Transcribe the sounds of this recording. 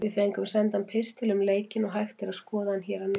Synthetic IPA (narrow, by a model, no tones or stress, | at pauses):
vɪðfejŋkʏmsɛnt̪ampʰɪst̪ʰɪlʏmleːjcɪnɔɣɦajxt̪ɪɾaðskɔːðahançɛːɾanɪ